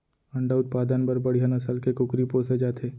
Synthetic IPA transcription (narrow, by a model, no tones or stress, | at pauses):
ɐ̃ɳɖaʊt̪̚paːd̪ənbəɾbɐɽ̤ijanɐsəlkekʊkɾipõːsed͡ʒaːt̪ʰeː